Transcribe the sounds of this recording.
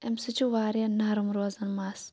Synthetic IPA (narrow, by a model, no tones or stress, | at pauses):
emsit͡ʃuʋaːɾjɐnaːɾumɾoːzɐnmaːs